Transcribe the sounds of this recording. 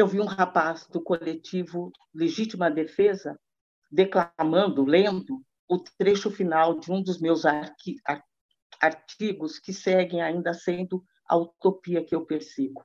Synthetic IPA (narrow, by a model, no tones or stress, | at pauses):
ewviũɦapazd̪ʊkolet͡ʃivʊ | leʒit͡ʃimɐd̪efezɐ | d̪eklamɐ̃nd̪ʊlẽd̪ʊ | ʊt̪ɾeʃʊfinawd͡ʒɪũd̪ʊzmewzaɾaɾ | aɾt͡ʃiɡʊskɪsɛɡẽj̃aĩnd̪ɐsẽnd̪ʊ | ɐ̰ut̪opiɐkɪewpeɾsiɡʊ